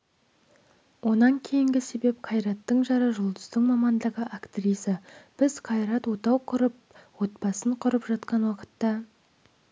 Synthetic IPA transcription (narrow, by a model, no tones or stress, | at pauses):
wʔo̞nɑŋkʲʰe̞jɪŋɡʲɪse̞be̞p̚qʰɑjɾɑt̪ːəɴʒɑɾəʒʊlˠd̪əzt̪əɴmɑmɑnd̪əʁəʔakt̪rijsəb̥ɪzqʰɑjɾɑt̪wot̪ɑwqʰʊɾəp̚ | wo̞t̪̚pɑsəɴqʰʊɾəpʒɑt̪qɑnwɑqə̥t̪ːɑ